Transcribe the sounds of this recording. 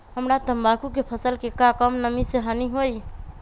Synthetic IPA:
ɦəmɾat̪əmbakukepʰəsəlkekakəmnəmiseɦaniɦoj

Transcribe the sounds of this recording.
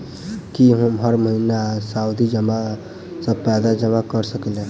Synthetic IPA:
kiɦomɦəɾməɦinasaːud̪id͡ʒəma | səb̚pɛːd̪ad͡ʒəmakəɾsəklẽ

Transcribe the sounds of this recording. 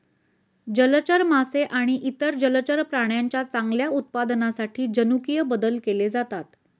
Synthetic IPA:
d͡ʑələt͡ɕəɾmaseʔaɽ̃iʔit̪əɾd͡ʑəlt͡ɕəɾpɾaɳ̃jaɲt͡ɕjat͡saŋɡljaut̪̚pad̪nasaʈʰiːd͡ʑənukijəbəd̪əlkeled͡zat̪at̪

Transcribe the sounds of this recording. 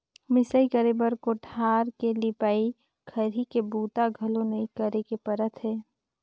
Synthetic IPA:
mɪsəikəɾebəɾkoʈʰaːɾkelɪpaːi | kʰəɾikebuːt̪aɡʱəlõnɐĩkəɾekepəɾət̪ʰɦɛː

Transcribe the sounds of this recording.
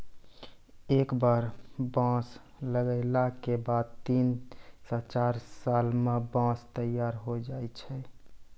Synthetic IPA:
ekbaɾbãs | ləɡəɪlakebad̪̚t̪insɔ̃t͡ʃaɾsalmebãst̪əjaɾɦod͡ʒajt͡ʃʰɛ

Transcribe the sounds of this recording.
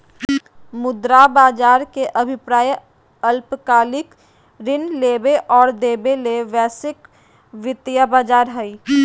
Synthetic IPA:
mʊd̪ɾabaːd͡ʒaːɾkeʔɐbʱɪpɾaːj | ɐlpkaːlɪk | ɾɪnleːbeʔɔːɾd̪eːbeleʋɛːsɪk | ʋɪt̪ijabaːd͡ʒaːɾɦɛi

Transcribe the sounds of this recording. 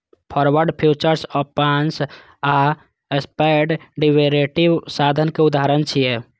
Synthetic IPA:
pʰɔɾʋəɾɖpʰjut͡ʃəɾsɔpans | a | espaɪɖɖiʋeɾeʈiʋsad̪ʱənkeud̪aɾənt͡ʃʰije

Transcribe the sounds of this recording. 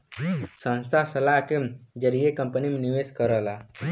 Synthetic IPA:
sə̃nst̪asəlaked͡ʒəɾijekə̃mpənimeniʋeskəɾəla

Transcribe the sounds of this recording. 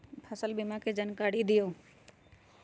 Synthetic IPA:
pʰəsəlbɪmaked͡ʒənkaːɽid̪ɪjoː

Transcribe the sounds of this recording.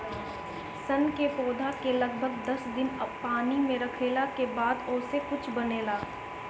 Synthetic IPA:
sɐnkepɔːd̪ʱakelɐɡ̚bʱəɡd̪ɐsd̪ɪnpaːnimẽɾɐkʰeːlakebaːd̪oːsekʊt͡ʃʰbɐneːlaː

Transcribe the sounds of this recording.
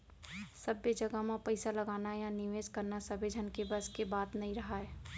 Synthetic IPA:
səbed͡ʒəɡəmãpəɪsaləɡaːnajanɪʋeːd͡ʒkəɾnasəbed͡ʒʱənkebəskebaːt̪nɐɦĩɾəɦaɛː

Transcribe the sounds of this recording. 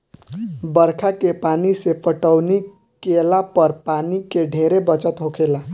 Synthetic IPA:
bəɾkʰakepanisepəʈəwni | kelapəɾpanikeɖʱeɾebət͡ʃət̪ɦokʰela

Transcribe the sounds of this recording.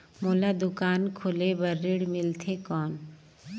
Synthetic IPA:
moːlad̪ʊkaːnkʰolebəɾːiɽmɪlt̪ʰekɔːn

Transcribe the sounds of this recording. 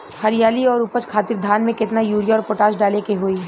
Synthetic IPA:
hɐɾɪjaːliɔːɾʊpət͡ʃkʰaːt̪ɪɾd̪ʱaːnmẽkɪt̪najuːɾjɔːɾpoːʈaːsɖaːlekeɦoːiː

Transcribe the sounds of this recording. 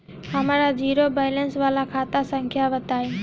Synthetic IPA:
həmaːɾaːd͡ʒiːɾoːbaːɪlənsʋaːlaːkʰaːt̪aːsə̃ŋkʰjaːʋət̪aːɦĩː

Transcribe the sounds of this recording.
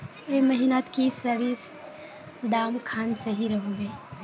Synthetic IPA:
eməɦinat̪kisəɽis | d̪amkʰaːnsəɦiɾəɦobe

